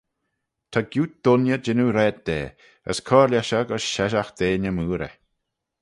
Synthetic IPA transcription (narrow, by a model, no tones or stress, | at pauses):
t̪ʰaɡjuːt̚d̪̥ʊnjəd͡ʒɪnuɾɛd̪̚d̪eː | ə̰skʰɔːɾlʲjaʃaɡəsʃɛʃaxd̪̥eːnəmuːɾə̰